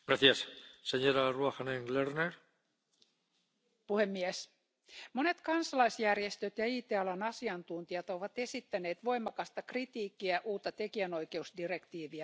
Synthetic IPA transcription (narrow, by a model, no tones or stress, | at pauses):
ɡɾaθiasseɲoɾaruaxaneŋlerneɾ | puhemːies | mo̞ne̞t̪kɑnsɑlɑjsjærjest̪øt̪jɑiːt̪eɑlɑnɑsiɑnt̪unt̪iɑt̪oʋɑt̪e̞sit̪ːæne̞ːt̪ʋo̞jmɑkɑst̪ɑkrit̪iːkːiæʔuːt̪ːɑt̪e̞kiæno̞jke̞usdirekt̪iːʋiɑ